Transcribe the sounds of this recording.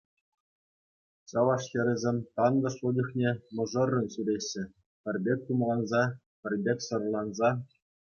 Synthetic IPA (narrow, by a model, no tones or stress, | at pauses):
ɕɑʋɑʂxʲĕɾʲɘ̆zʲemʲt̪ɑnd̪ɤ̆ʂudʲɤ̆xnʲemɤ̆ʐɤ̆rːɤ̆nɕyɾʲeɕːɘ̆ | pʲɘ̆rʲbʲek̚ʲt̪umlˠɑnzɑ | pʲɘ̆rʲbʲekʲsɤ̆rlˠɑnzɑ